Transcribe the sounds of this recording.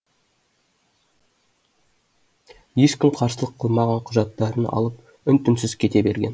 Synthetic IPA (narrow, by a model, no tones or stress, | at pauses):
je̞ʃkʲɪmqʰɑɾsəlˠəqʰːəlˠmɑʁɑɴqʰʊʒɑt̪ːɑɾənɑ̰lˠəp | ʏnt̪ɪnsɪzkʲʰe̞t̪e̞be̞̰ɾɡʲe̞̰n